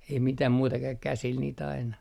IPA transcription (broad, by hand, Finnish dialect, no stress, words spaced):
ei mitæm muːtɑ kæ kæsil niːt ɑinɑ